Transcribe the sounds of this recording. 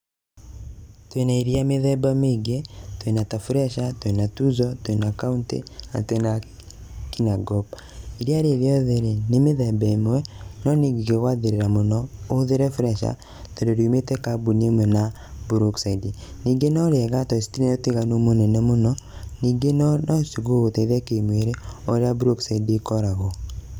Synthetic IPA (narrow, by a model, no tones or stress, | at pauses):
twenaiɾiameðɛbameɡetwenatafuɾɛʃatwenatuzɔtwenakauntḛa̰twena | kinaɡɔb | iɾiaɾeɾeɔðeɾenemeðɛbɛmwɛnɔniɡɡewaðeɾeɾamonɔoðeɾɛfɾɛʃa̰ | toɾoɾimetɛkabunemwɛna | buɾuksaidiniːɡenɔɾɛɣatɔisi̥tinɛoteɣanomonɛnɛmonɔniːɡenɔnɔsiɣoɣotɛiðakemweɾeoɾeabuɾoksaidikɔɾaɣo